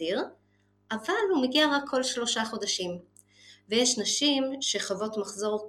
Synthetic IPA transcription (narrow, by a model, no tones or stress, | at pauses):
iʁ | ʔavalhumeɡiaʁakʰːo̞lʃlo̞ʃaχo̞d̪aʃim | vejeʃnaʃimʃe̞χavo̞tmaχzo̞ʁ